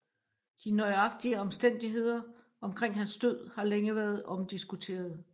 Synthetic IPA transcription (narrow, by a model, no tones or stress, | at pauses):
d̥inɒɪɑ̈ɡ̥̚d̥iəɒ̽msd̥en̰d̥iɦe̝ð̞̰ˠɐ | ɒ̽mkʰʁeŋ̰ɦænsd̥øð̰ˠhɑ̈leŋəʋæɐð̞̩ˠɒ̽md̥isɡ̥ut͡sʰe̝̰ːɐð̞̩ˠ